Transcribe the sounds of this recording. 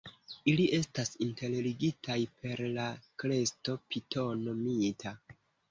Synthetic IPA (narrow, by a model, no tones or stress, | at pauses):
iliʔe̞stasinte̞lliɡitʰajpe̞ɾlakɾe̞sto̞pitʰo̞no̞mitʰa